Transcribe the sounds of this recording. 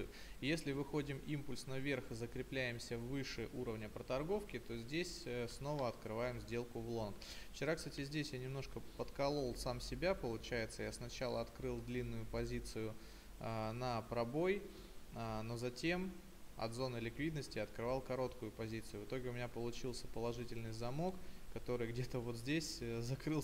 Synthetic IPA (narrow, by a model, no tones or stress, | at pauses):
ʊ | jesʲlʲɪvɨxo̞dʲɪmimpʊlʲsnɐvʲe̞rxɨzəkɾʲɪplʲæjɪmsʲəvːɨʂɨʔuɾəvnʲəpɾət̪ɐrɡo̞fkʲɪt̪o̞zʲdʲesʲəsno̞vəɐt̪kɾɨvajɪmzʲdʲe̞lˠkʊvlˠo̞nk | ft͡ɕɪɾakst̪atʲɪzʲdʲesʲjanʲɪmno̞ʂkəpət̪kɐlˠo̞lˠsamsʲɪbʲapəlˠʊt͡ɕæjɪt̪səjasnɐt͡ɕalˠəɐt̪kɾɨlˠd̪lʲinːʊjʊpɐzʲit̪sɨjʊ | nəpɾɐbo̞j | əno̞zɐtʲe̞m | ɐ̰d̪zo̞nɨlʲɪkvʲid̪nəsʲtʲɪɐt̪kɾɨvɑlˠkɐɾo̞t̪kʊjʊpɐzʲit̪sɨjʊvɨt̪o̞ɡʲɪʊmʲɪnʲapəlˠʊt͡ɕilˠsʲə̥pəlˠɐʐɨtʲɪlʲnɨjzɐmokkːɐt̪o̞ɾɨjɡdʲe̞t̪əvo̞t̪zʲdʲesʲzɐkɾɨlˠ